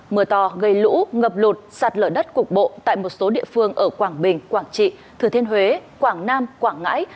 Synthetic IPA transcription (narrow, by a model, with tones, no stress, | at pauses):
mɨ˨˩ət̪ɔ˨˩ɣə˧˩jlṵ˧˥ŋə˨˩p̚lu˨˩t̚saː˨˩t̚ləː˧˩jɗə˦˥t̚kʊ˨˩k͡p̚ɓo̰˧˨t̪a̰ː˧˨jmo˨˩t̚so˨˦ɗḭ˧˨əfɨ˧əŋʔəː˧˩kwaː˧˩ŋɓï˨˩ŋ̟kwaː˧˩ŋt͡ɕḭ˧˨t̪ʰɨ˨˧˩ət̪ʰe˧nɦwe˨˦kwaː˧˩ŋnaː˧mkwaː˧˩ŋːa̰ː˧˥j